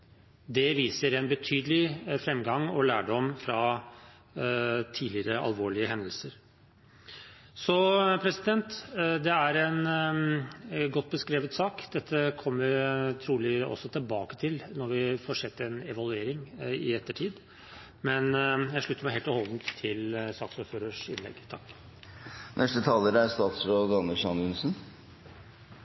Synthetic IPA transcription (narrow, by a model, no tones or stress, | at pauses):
d̪ɛʋiːsəɾɛnbət̪ʰyːd̪əlɪfɾɛmɡɑŋɔlæːɖɔmfɾɑ | t̪ʰiːdlɪɾəɑ̰lʋoːɭɪəɦɛnd̪əlsəɾ | sɔpʰɾɛsɪd̪ɛnt̪d̪ɛæɾɛn | ɡɔt̪̚ːbəskɾeːʋət̪sɑːkd̪̥ɛt̪ʰːəkʰɔmːəɾt̪ʰɾuːlɪɔ̰sːɔt̪ʰɪlbɑːkə̥t̪ʰɪlnɔɾʋɪfɔʂɛt̪ːɛnɛʋɑlʉeːɾɪŋɪ̰ɛt̪ːəʈʰiːd̪ | mɛnjæɪʂɭʉt̪əmæɪheːlt̪ɔhɔld̪n̩t̪ʰːɪlsɑːksʊɾføːɾəʂɪ̰nlɛ̰ɡt̪ʰɑkː | nʔɛsʈ̪ət̪ʰɑːləɾəæɾst̪ɑːt̪sɾoːd̪ɑnəʂɑnʉnsn̩